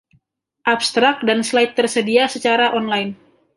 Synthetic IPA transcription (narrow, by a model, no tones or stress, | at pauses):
ʔapst̪ɾak̚danslajɪt̪ːərsədiasət͡ʃaɾaʔɔnlajɪn